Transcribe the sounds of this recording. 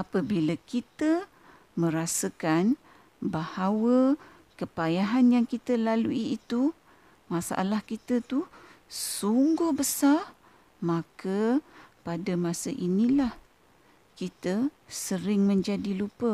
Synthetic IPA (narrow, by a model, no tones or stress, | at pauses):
apəbilakit̪ə | mə̃ɾasəkan | bahawə | kəpajaɦanjaŋkit̪əlaluiːt̪u | masa̰ʔa̰lahkit̪ət̪usuŋɡʊhbəsa | makəpadəmasəʔinĩlah | kit̪əsəɾɪŋmə̃ɲd͡ʒadilupə